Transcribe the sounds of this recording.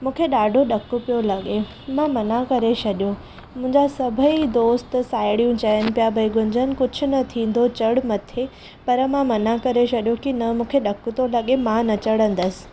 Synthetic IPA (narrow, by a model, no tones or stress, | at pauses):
mũːkʰeɗaːɖʱoɗɐkʊpijolɐɠe | mãmɐnakɐɾesɐɗijo | mʊ̃ɦɪ̃ɲd͡ʑasɐbʱəid̪oːst̪saːɪɽijũt͡ɕɐənɪ̆pijabʱɐiɡʱʊ̃ɲd͡ʑʱənɪ̆kʊd͡ʑʱʊ̆nɐt̪ʰĩːn̆d̪ot͡ɕɐɽʊmɐt̪ʰe | pɐɾəmãmɐnakɐɾesɐɗjokinɐmũːkʰeɗɐkʊt̪olɐɠemãnɐt͡ɕɐɽə̃nd̪əsɪ̥̆